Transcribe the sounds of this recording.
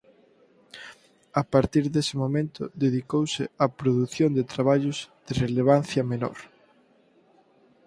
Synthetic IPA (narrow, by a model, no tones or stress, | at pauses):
apaɾt̪iɾðesɪmomẽnt̪ʊ̰ðeðikowsɪɐpɾoðuθjond̪et̪ɾaβ̞aʎʊz̥d̪̥ɪreleβ̞anθjɐmeno̰ɾ